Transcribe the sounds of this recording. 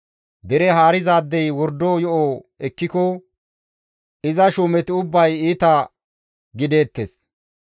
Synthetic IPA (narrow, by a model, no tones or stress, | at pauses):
d̪ɛɾɛɦaːɾɪzaːd̪ːɛjwɔɾd̪oːjɔʔo | ɛkːɪkɔ | ɪzɐʃuːmɛt̪ɪʊbːɐjiːt̪ɐ | ɡɪd̪e̞ːt̪ːes